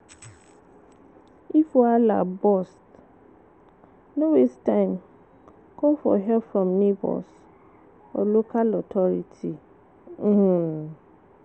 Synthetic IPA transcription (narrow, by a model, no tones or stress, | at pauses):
ifoala̰bɔst | nõwestʰãɪ̃m | kʰɔ̃mfɔ̰ɦɛfɹɔ̃mnibɔ̰s | ɔ̰lokʰalɔtʰɔɾitʰi | hũ